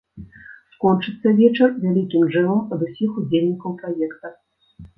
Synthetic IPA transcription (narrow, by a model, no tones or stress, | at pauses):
skɔnt͡ʂɨt̪sːɐvʲɛt͡ʂɐrvʲalʲikʲimʐɛlˠɐmɐd̪usʲixud͡zʲelʲnʲikɐwpɾajɛkt̪ɐ